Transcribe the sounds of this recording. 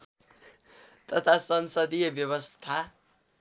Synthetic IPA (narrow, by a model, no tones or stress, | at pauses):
t̪ʌt̪ʰasʌnsʌd̪ijʌbjʌβʌst̪ʰa